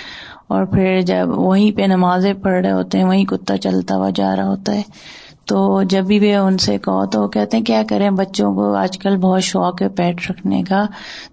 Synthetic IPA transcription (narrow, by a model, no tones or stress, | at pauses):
ɔːɾpʰɪɾd͡ʒɐbʋɐɦĩpenɐmaːzẽpɐɽɽeɦo̰ːt̪eɦɛ̃ʋɐɦĩkʊt̪ːat͡ʃɐlt̪a̰ʋa̰d͡ʒa̰ːɾaɦoːt̪aɦɛː | t̪oːd͡ʒɐbːiʋeʊnsekɐɦo̰t̪oʋokɛːɦt̪eɦɛ̃kjaːkɐɾẽbɐtːʃõkoa̰ːd͡ʒkəlbɔːt̪ʃɔːkepɛːʈʰɾɐkʰnḛkaː